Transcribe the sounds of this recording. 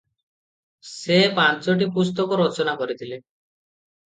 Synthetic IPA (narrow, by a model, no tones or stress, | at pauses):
sepant͡ʃɔʈ̬ipust̪ɔkɔɾɔt͡ʃɔnakɔɾit̪ʰile